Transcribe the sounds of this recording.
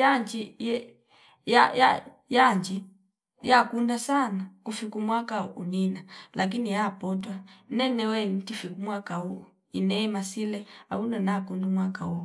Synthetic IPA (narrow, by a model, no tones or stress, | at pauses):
jaɲd͡ʒijɛ | jaja | jaɲd͡ʒi | jakundasanakufikumwakauninalʔak̬inijapɔtwanɛnɛwɛn̩tifikumwakau | inɛmasilɛa̰unanakundumwakau